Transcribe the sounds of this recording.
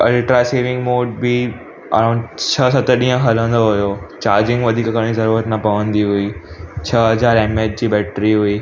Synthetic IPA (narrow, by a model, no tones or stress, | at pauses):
ɛlʈɾaseːʋɪ̃ŋɡmoːɖ̚bɪ | ɐ̰ɾãːʊ̃ɳɖt͡ɕʰəsɐt̪əɗĩːə̃ɦɐlə̃nd̪oɦujot͡ɕaːɾd͡ʑɪ̃ŋɡʋɐd̪ʱiːkkɐɾɽ̃izɐɾuːɾət̪nɐpɐʋə̃nd̪iɦuiːt͡ɕʰɐɦɐzaːɾeːmeːʈ̚d͡ʑiːbɛːʈɾiɦuiː